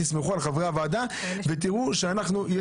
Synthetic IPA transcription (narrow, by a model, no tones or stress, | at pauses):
ismeχualχavavad̪a | vet̪iʁuʃeanaχnuje